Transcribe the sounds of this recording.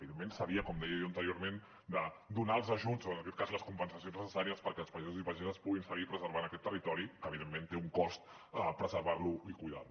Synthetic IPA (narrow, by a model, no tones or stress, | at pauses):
βiðemːensəβiəkɔmd̪ɛjəjoənt̪əɾioɾmen | d̪əd̪unaəlˠzəʒuzoənəkɛt̪kazləskumpənsəsiõnznəsəsaɾiəspəɾkɛlˠspəizuzipəʒɛzəspuɣinsəɣipɾəzəɾβanəkɛt̪ːərit̪ɔɾikəːβ̞iðemːent̪euŋkɔst̪ | əpɾəzəɾβarluikujða̰lu